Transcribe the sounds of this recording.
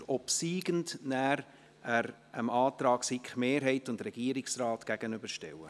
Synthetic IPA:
ɔpsiːɡəndnæːɾ | æɾ | əmɑːtrɑːɡ̥sikχmeːɾɦɛɪtʊndrɛɡ̥iːəɾɪksrɑːtɡ̥æɡ̥ənʏb̥əɾʃtɛ̰wə

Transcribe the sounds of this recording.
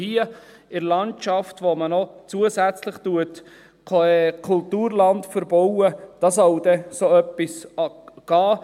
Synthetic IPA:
hiə | ɪɾlɑnt͡ʃɑftʋomənɔt͡suəsæt͡slɪχt̪uətʰ | ɛkʰultuːɾlɑntfəɾbɔwəd̥ɑsɑwdɛsoœpːisɑɡ̥ɑː

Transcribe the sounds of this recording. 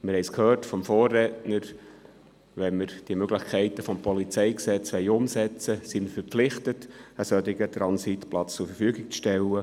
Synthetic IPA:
mɪɾhɛɪskʰhøːrtfɔmfoːrːɛtnəɾ | ʋɛnməɾd̥iəmøɡlɪχkʰɛɪtəfɔmpɔlit͡sɛjksɛt͡sʋɛɪʊmsɛt͡səsiməfəɾpflɪχtətəsœd̪ɪɡət̪ɾɑnsitplɑt͡st͡sʊɾfəɾfyəɡɪk̚t͡sʃtɛlːə

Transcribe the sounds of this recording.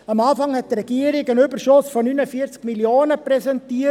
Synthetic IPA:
amaːfɑŋhɛt̚drɛɡ̥iəɾɪɡənʏbəɾʃʊsfɔnynəfiət͡skmiljoːnəpɾɛsɛntiə

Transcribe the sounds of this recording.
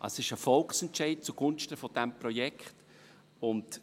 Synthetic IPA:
ʔɑ̰sɪʃəfɔlksɛntt͡ʃɛɪt̚t͡suɡ̥ʊnʃtəfɔd̥ɛmpɾɔjɛkχt | ʊnd

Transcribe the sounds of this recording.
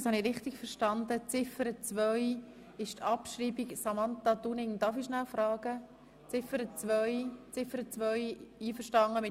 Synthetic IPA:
shɑnɪɾɪχtɪɡfəɾʃtɑnd̪ət͡sɪfəɾət͡svœj | ɪʃtʰɑpʃɾiːbiksɑmɑnt̪ɑd̪unɪŋd̪ɑfiʃnælfɾɑːɡ̥ə | t͡sɪfəɾət͡svœʏjt͡sɪfəɾət͡sʋœʏiːfəɾʃtɑŋəmɪ

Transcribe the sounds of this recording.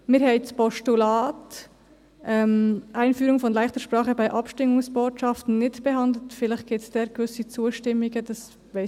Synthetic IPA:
mɪːɾhɛɪspɔʃtulɑːt | ʔɛmʔaɪnfyːɾʊŋfɔnlaɪχtəɾʃpɾɑːχəbaɪʔɑpʃtɪŋʊŋsb̥oːtʃɑftn̩nɪtb̥ɛɦɑndl̩tfɪlɪx̚ɡ̥ɪtsd̥ɛːɾɡ̥vʏsit͡suːəʃtɪmːɪɡəd̥ɑs | vaɪ

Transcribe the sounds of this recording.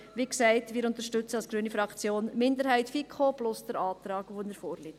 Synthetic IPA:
ʋiksɛɪtmɪːɾʊnt̪əɾʃtʏt͡səɑlsɡ̥ɾyːənifɾɑkt͡sjoːnmɪndəɾhæɪtfikʰoblʊsd̥̪əɾɑːtɾɑːɡʋoɪnəɾfoːɾlit

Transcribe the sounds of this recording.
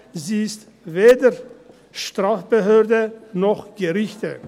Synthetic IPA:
ziːɪst | veːdɐ | ʃtʁ̥aːfb̥əɦøːɐdənɔχɡ̥əʁɪçtə

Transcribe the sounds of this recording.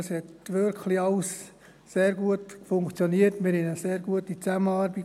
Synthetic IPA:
shɛtʋʏɾkʰχlɪɑls | seːɾɡuətfʊŋkt͡sjoniətmɪɾhɛnəseːɾɡuətit͡sæmənɑːɾbi

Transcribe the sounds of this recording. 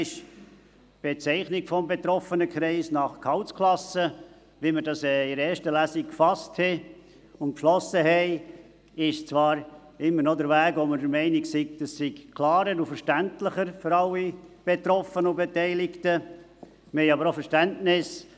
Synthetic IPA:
ɪʃ | b̥et͡sɛɪχnɪkfɔmbet̪ɾɔfənəkʰɾɛɪsnɑχkʰhɑʊtskʰlɑsə | ʋimədɑsɛɪɾɛːɾʃtəlæsikfɑsthɛ | ʊntpʃlɔsːəhɛɪ | ɪʃt͡svɑːɾ | ɪmːəɾnɔdəɾvæːɡʋomədəmɛɪnɪksiɡd̥əssikkʰlɑːɾəɾufəɾʃtæntləχəɾføɾɑlːib̥etɾɔfənʊbetɛɪlɪktə | məhɛɪɑbəɾofəɾʃtæntnɪs

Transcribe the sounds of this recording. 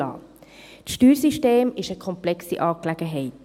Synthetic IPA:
ɑ̰ː | t͡sʃtyːɾsiʃteːmɪʃəkʰɔmplɛksḭʔɑːklæɡ̥əɦɛɪt

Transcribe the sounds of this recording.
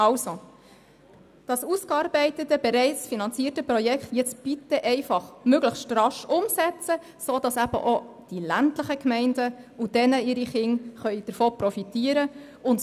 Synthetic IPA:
ɑwso | d̥ɑsuskɑːɾbɛɪtətəbɛɾɛɪt͡sfinɑnt͡siːətəprɔjɛkχtjɪt͡sb̥itəʔɛɪfɑχmøɡləχʃtɾɑʃʊmsɛt͡sə | soːd̥ɑsæb̥ə̰ʔo | d̥ilæntləχəkmɛɪndəud̥ɛnəiɾiχɪŋχœʏd̥əɾfoːpɾɔfitiːəɾə | ʊnt

